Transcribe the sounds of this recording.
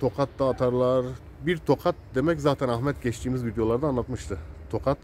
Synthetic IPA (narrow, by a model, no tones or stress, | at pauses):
t̪ʰo̞kʰat̪ːaːt̪ʰaɾlˠaɾ | biɾt̪ʰo̞kʰat̪̚d̪e̞mɛczaːt̪ʰɛænaxmɛt̪ɟɛt͡ʃt̪ʰiːmizvid̪ejo̞lˠaɾd̪aːnlˠat̪mɯʃt̪ʰɯt̪ʰo̞kʰat̪